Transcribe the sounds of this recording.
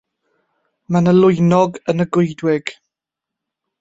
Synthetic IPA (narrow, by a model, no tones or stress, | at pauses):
manəlʊjnɔɡənəɡʊjdwɪɡ̥